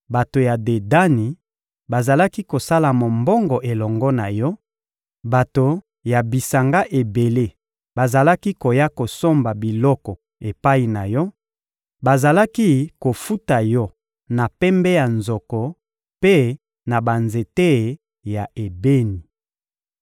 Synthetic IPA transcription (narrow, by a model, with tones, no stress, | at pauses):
ba˨to˨ja˨de˨da˦ni˨ | ba˨za˨la˦ki˦ko˨sa˦la˨mo˨mbɔ˦ŋɡɔ˨ʔe˨lɔ˨ŋɡɔ˦na˨jɔ˦ | ba˨to˨ | ja˨bi˨sa˨ŋɡa˦ʔe˨be˨le˦ | ba˨za˨la˦ki˦ko˨ja˦ko˨so˦mba˨bi˨lɔ˦kɔ˨ | e˨pa˦i˨na˨jɔ˦ | ba˨za˨la˦ki˦ko˨fu˦ta˨jɔ˦ | na˨pɛ˦mbɛ˦ja˨nzɔ˨kɔ˨ | pe˦ | na˨ba˨nze˨te˦˨ | ja˨ʔe˨be˦ni˨